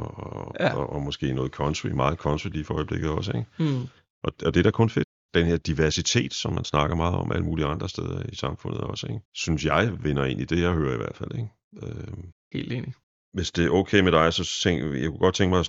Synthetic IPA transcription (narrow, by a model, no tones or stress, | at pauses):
ʔɒmɒ̽sɡ̥e̝̰ːnɔːð̞̩ˠkʰɒ̽nt͡sʰimɑ̈ːð̩ˠkʰɒ̽nt͡sʰidlifɒɒ̽ɪəb̥le̝ɡ̥ð̩ˠɒ̽səeɡ̥ | ʔɒ̽ɒd̥eɾ̥ɑkʰɔ̽nfe̝d̥ | d̥enhe̝ɐd̥iʋæɐsit͡sʰe̝̰ːd̥sɒ̽mːænsnɑ̈ɡ̥ɐmɑ̈ːð̩ˠɒ̽mʔæləmuːliɑ̈nd̥ʁɐsd̥eð̞ˠɐisɑ̈mfɔ̽nð̩ˠɒ̽səeɡsynsjɑ̈ɪʋenɐe̝n̰id̥e̝jɑ̈ɪhøːɐiʋæɐ̰d̥fæl̰eɡ | øhe̝̰ːld̥ḛːni | ʋe̝sd̥e̝okʰeːmeɾ̥ɑ̈ɪsɒ̽eŋɡjɑɪkuɡ̥ɒ̽d̥̚t͡sʰeŋɡ̥mɑ̈ɪs